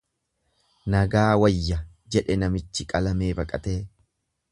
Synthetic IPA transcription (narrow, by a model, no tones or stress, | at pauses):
nɐɡaːwɐjːɐ | d͡ʒɛᶑɛnɐmɪt͡ʃːɪkʼɐlɐme̞ːbɐkʼɐt̪e̞ː